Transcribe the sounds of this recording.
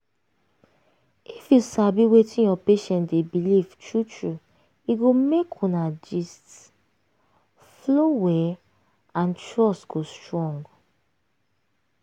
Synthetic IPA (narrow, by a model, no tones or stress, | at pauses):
ifjusabiwetʰĩnjɔpeʃɛ̃ntdebiliv̥tɹutʰɹu | iɡomekʰɔ̃nad͡ʒist | flowɛ | ãntɹɔsɡ̥ostɹɔ̃ŋɡ